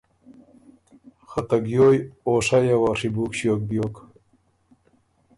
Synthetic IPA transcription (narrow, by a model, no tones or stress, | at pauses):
xɐt̪ɐɡjojoːʂajawaʂibuːkɕjok̚bjoːk